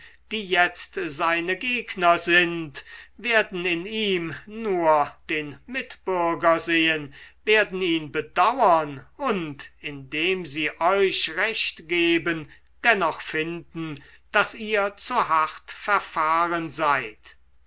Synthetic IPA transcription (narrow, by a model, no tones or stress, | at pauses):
d̥iːjɛt͡stzaɪnəɡeːknɐzɪntveːɐdn̩ɪniːmnuːɐd̥eːnmɪtb̥ʏɐɡɐzeːənveːɐdn̩iːnbədawɐnʊntɪndeːmziːʔɔʏʃʁɛʃtɡ̥eːbən | d̥ɛnɔχfɪndn̩ | d̥asiːɐt͡suɦaχtfɛɐfaːʁənzaɪt